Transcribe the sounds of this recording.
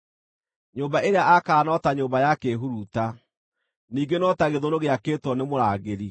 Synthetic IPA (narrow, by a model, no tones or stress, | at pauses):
ɲoːmbaeɾeaʔakaːnɔtaɲoːmbajakeːɦuɾuta | niːɡenɔtaɣeðoɾoɣeakeːtwɔnemoɾaːɣeɾi